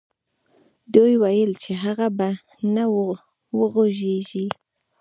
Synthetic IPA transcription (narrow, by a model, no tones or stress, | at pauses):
d̪ujwajəlt͡ʃeɦaɣaba | na | wəɣoʒeʒi